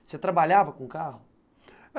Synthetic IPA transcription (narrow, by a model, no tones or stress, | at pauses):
set̪ɾabaʎavɐkõũkahʊ